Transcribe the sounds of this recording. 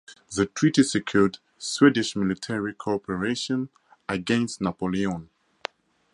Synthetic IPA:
ðətʰɹ̥itisəkʰjud | swidɪʃmɪlitʰɛɹikʰɔpʰəɹeʃɔ̃n | əɡɛ̃nstnapoliɔ̃n

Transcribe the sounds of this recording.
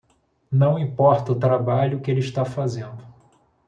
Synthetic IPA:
nɐ̃w̃ĩpɔɾt̪ɐʊt̪ɾabaʎʊkɪelɪiʃt̪afazẽnd̪ʊ

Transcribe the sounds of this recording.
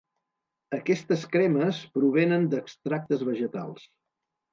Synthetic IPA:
əkɛst̪əskɾɛməspɾuβ̞enənd̪əkst̪ɾak̚t̪əzβəʒət̪alˠs

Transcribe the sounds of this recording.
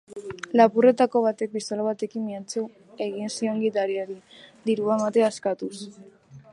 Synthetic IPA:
lapure̞t̪ako̞β̞at̪e̞k̚bist̪olaβat̪e̞kimːiat͡su | e̞ɣinsio̞ŋɡit̪aɾiaɾid̪iɾuamat̪e̞askat̪us

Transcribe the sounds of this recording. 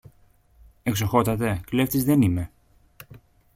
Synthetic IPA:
eksoxo̞t̪ɐt̪e̞kle̞ft̪izðe̞nime̞

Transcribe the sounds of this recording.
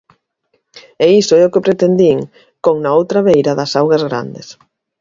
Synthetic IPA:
ɛisʊɛʊkɪpɾet̪end̪iŋ | koŋnɐowt̪ɾɐβejɾɐðɐsawɣɐzɣɾa̰nd̪es

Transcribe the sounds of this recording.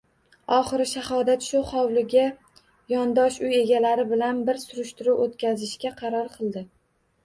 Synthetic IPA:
ɒχɨɾɪʃahɒd̪at̪ʃʊχɒwlɪɡʲa | jɒnd̪ɒʃʊje̞ɡʲalaɾɪbɪlanbɪɾsʊɾʊʃt̪ɪɾuwʔot̪kʲʰazɪʃkʲaqʰɑɾɒɾqʰɨlˠd̪ɪ

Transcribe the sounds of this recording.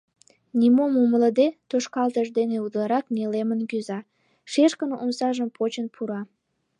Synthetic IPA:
nʲimomumələd̪et̪oʃkɑlt̪əʒd̪eneud̪əlɑɾɑknelemənkyzɑ | ʃeʃkənʔunsɑʒəmpʰot͡ɕənpʰuɾɑ

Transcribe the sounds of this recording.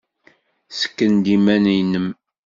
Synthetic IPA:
sə̥kːənd̪imænijnəm

